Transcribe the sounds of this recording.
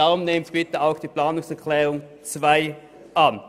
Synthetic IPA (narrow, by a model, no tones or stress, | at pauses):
aʁʊmneːmt̪b̥ɪtəaʊxd̥iːpl̥aːnʊŋsɛɐkʰlɛːʁʊŋ | t͡svaɪ | ʔan